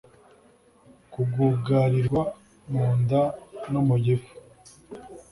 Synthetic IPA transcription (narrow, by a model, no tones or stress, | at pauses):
kuɡuːɡaɾiɾɡwa | muːndanumuɟefu̥